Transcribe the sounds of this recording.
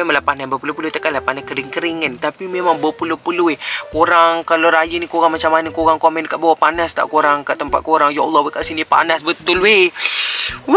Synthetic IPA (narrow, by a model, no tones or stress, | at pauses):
ɛməlahpananbəpulupulut̪əkalapanahkəɾɪŋkəɾɪŋənt̪apimemaŋbəpulupuluɪkoɾaŋkaloɾajənikoɣaŋmat͡ʃamanəkoɣaŋkomɛnkaʔbawaʔpanast̪a̰ʔkoɾaŋkaʔt̪əmpa̰t̪̚koɾaŋjaɔlˠːɔhwekaʔsinipa̰nasbət̪ʊlwe